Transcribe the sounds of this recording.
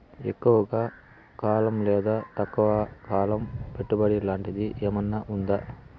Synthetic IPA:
ekːuʋɐɡaː | kaːlɐmlɛːd̪aːt̪ɐkːɐʋɐkaːlɐmpeʈːubɐɽilaːɳʈid̪iʔeːmɐnːɐʔund̪a

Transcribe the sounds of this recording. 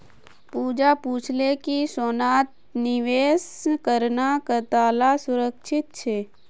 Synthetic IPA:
puːd͡ʒapuːt͡ʃʰlekisoːnaːt̪̚ | nɪʋeːskəɾnakət̪aːlasʊɾəkʃʰɪt̪̚t͡ʃʰeː

